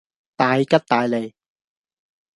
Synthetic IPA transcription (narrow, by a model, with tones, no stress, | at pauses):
t̪aː˨˧jkɐ˥t̚t̪aː˨˧jle˨˧j